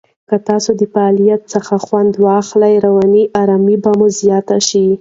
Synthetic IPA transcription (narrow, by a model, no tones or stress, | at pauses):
kat̪ɑsod̪əfaːlijat̪̚səxaxwand̪wɑxlajɾawɑniʔɑɾɑmibamozijɑt̪aʃi